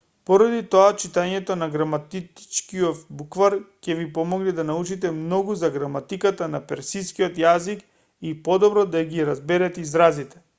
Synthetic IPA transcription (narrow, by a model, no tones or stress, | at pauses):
pɔɾad̪it̪ɔat͡ʃit̪aɲɛt̪ɔnaɡɾamat̪it̪t͡ʃkiɔt̪bukvaɾcɛvipɔmɔɡnɛd̪anaut͡ʃit̪ɛmnɔɡuzaɡɾamat̪ikat̪anapɛɾsiskiɔt̪jazik | ipɔd̪ɔbɾɔd̪aɡiɾazbɛɾɛt̪ɛizɾazit̪ɛ̥